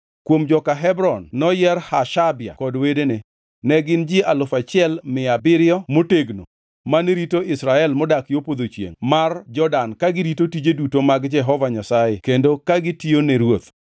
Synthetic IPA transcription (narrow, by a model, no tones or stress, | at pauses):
kwomd͡ʒɔkaɦɛbɾɔnːɔjɛɾhaʃabɪa̰kɔdwedene | nɛɡɪnd͡ʒɪalʊfat͡ʃɪɛlmɪabɪɾɪjɔmoteɡno̰ | maneɾitoɪsɾaɛlmɔdakjopod̪ot͡ʃjḛŋmard͡ʒɔdankaɡɪɾitotid͡ʒedutomaɡd͡ʒɛɦɔvaɲasajekendokaɡɪtioneɾwot̪